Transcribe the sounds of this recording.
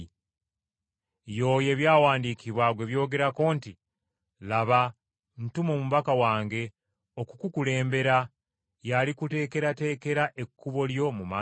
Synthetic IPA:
jo̞ːje̞βjaːwaːndikiβwaɡwe̞βjo̞ːɡe̞ɾako̞ːnti | laβa | n̩tumo̞ːmuβakawaːŋɡe̞ | okukukule̞ːmbe̞ɾa | jalikute̞ːke̞ɾate̞ːke̞ɾaʔe̞kːuβo̞ljo̞muma

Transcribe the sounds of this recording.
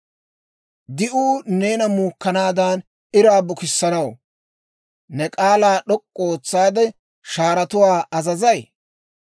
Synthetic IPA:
d̪ɪʔuːne̞ːnɐmuːkːɐnaːd̪aːn | ɪɾaːbʊkɪsːɐnɐw | nɛkʼaːlaːɗɔkʼːoːt͡sːaːd̪ɛ | ʃaːɾɐt̪ʊwaːɐzɐzɐj

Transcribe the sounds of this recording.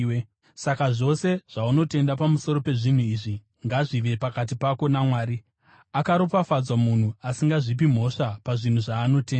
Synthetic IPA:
sakaʐo̞se̞ʐ̥auno̞te̞ndapamuso̞ɾo̞pe̞ʐin̤uiʐi | ŋɡaʐiʋe̞pakat̬ipako̞namwaːɾi | akaɾopafad͡zwamun̤uasiŋɡaʐip̬im̤o̞ʂapaʐin̤uʐaːno̞te̞ːna

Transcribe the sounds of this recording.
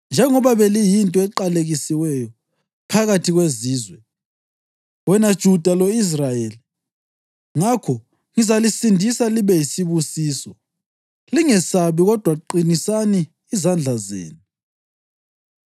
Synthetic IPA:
nd͡ʒʱɛŋɔβaβelijintʼɔɛǃaleɣisiwɛjɔ | pʰaɣatʰiɣweziːzwɛ | wɛnad̥ʒ̥ʱud̥ʱalois̬rajeli | ŋakʰɔ | ŋizalisindʱisaliβɛjisiβusiːsɔ | liŋɛsaβiɣɔd̥ʱwaǃinisaniː | zand͡ɮʱazḛːnu

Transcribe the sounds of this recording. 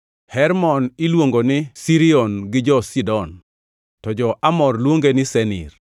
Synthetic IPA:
hɛɾmɔnɪlwoŋɡonɪsiɾiɔnɡɪd͡ʒɔsidɔn | tɔd͡ʒɔʔamɔrlwoŋɡenɪsɛnḭr

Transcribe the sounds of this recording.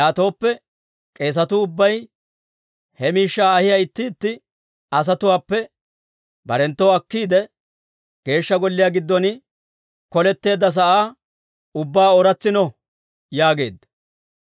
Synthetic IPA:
jaːt̪o̞ːpːɛ | kʼe̞ːs̬ɐt̪ʊːʊbːɐj | hɛmiːʃːaːɐhɪjaɪt̪ːɪːt̪ːɪ | ɐs̬ɐt̪ʊwaːpːɛ | bɐɾɛnt̪ːowɐkːiːd̪ɛ | ɡ̥e̞ːʃːɐɡɔlːɪjaːɡɪd̪ːɔnɪ | kɔlɛt̪ːe̞ːd̪ːɐs̬ɐʔaː | ʊbːaːɔɾɐt͡sːɪnɔ | jaːɡe̞ːd̪ːɐ

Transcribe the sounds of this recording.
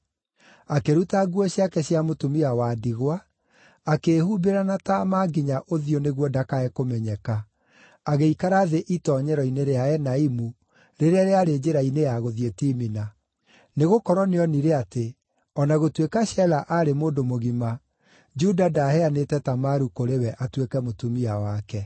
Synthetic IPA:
akeɾutaɡwɔɕjakɛɕjamotomiawaːdiɣwaː | keːhubeɾanatamaɡiɲaʔoðioneɣwɔdakaɛkomɛɲɛka | aɣeikaɾaðeʔitɔːɲɛɾɔineɾeaɛnaimu | ɾeɾeaɾeaɾed͡ʒeɾainejaɣoðietiːmina | neɣokɔɾɔneɔniɾeate | ɔnaɣotwekaɕɛlaʔaɾemoːdomoɣima | d͡ʒudadahɛanetɛtamaɾukoɾewɛʔatwekɛmotumiawakɛ

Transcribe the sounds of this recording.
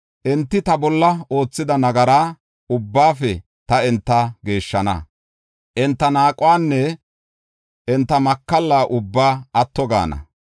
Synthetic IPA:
ʔɛnt̪ːɪt̪ɐbɔlːɐo̞ːt͡sːɪd̪ɐnɐɡɐɾaː | ʊbːaːfɛ | t̪ɐɛnt̪ːɐɡe̞ːʃːɐnɐ̰ | ʔɛnt̪ːɐnaːkʼʊwaːnːɛ | ʔɛnt̪ːɐmɐkːɐlːaːʔʊbːaːɐt̪ːɔɡa̰ːnɐ̰

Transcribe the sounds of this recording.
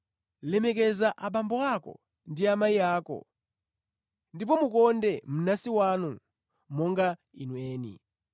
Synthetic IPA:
lɛmɛkɛzaʔaɓambɔakɔ̰ | ndiamaiaːkɔ̰ | ndip̬ɔmukɔndɛm̩nasiwanu | mɔŋɡa | inwɛːnḭ

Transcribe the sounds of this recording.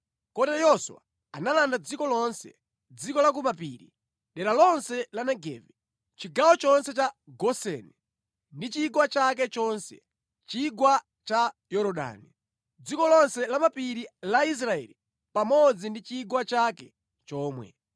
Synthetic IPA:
kɔtɛjɔswa̰ | analandad͡zikɔlɔnsɛ̰ | d͡zikɔlak̬umapḭːɾi | ɗɛɾalɔnsɛlanɛɡɛ̰ːvɛ | t͡ʃiɡawɔt͡ʃɔnsɛt͡ʃaɡɔsɛnɛ | ndit͡ʃiɡwat͡ʃak̬ɛt͡ʃɔnsɛ̰ | t͡ʃiɡwa | t͡ʃajɔɾɔɗa̰ːni | d͡zikɔlɔnsɛlamapiɾilais̬ɾaɛ̰li | pamɔd͡zindit͡ʃiɡwat͡ʃakɛ | t͡ʃɔːmwɛ̰

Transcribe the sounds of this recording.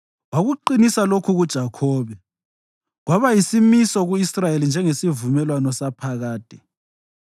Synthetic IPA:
ɣwaɣuǃinisalokʰuɣud̥ʒ̥ʱakʰɔːβɛ | ɣwaβajisimisɔɣuisrajelind͡ʒʱɛŋesivumɛlwanɔsapʰaɣaːd̥ʱʼɛ̥

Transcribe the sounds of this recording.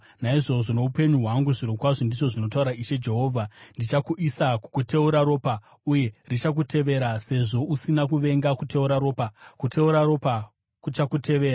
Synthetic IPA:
naiʐo̞ʐono̞upe̞ɲuɦwaŋɡuʐiɾokwaʐondiʐo̞ʐino̞tauɾaiʃe̞d͡ʒe̞ɦo̞ːvʱandit͡ʃakuʔisakukute̞uɾaɾo̞ːpa | uje̞rit͡ʃak̬utʰe̞ʋe̞ɾase̞ʐo̞ʔusinakuʋe̞ŋɡakute̞uɾaɾo̞ːpakutʰe̞uɾaɾo̞pa | kut͡ʃakute̞ʋe̞ːɾa

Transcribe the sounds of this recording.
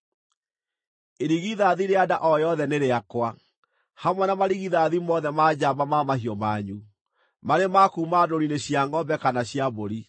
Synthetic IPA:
eɾiɣiðaðiɾeadaʔɔjɔðɛneɾeakwa | hamwɛnamaɾiɣiðaðimɔðɛmad͡ʑabamamahiɔmaɲu | maɾemakuːmadoɾineɕiaŋɡɔbɛkanaɕjaboɾi

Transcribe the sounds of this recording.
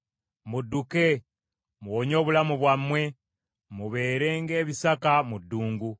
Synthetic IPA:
mudːuke̞ | muwoɲo̞ːβulamuβwamːwe̞ | muβe̞ːɾe̞ːŋɡe̞ːβisakamudːuːŋɡu

